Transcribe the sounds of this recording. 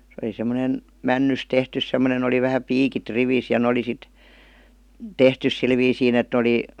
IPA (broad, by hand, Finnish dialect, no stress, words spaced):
se oli semˑonen mænːys tehtys semːonen oli ʋæhæ piːkit riʋis jɑ n oli sit tehtys sil ʋiːsiːn et ne ə̆li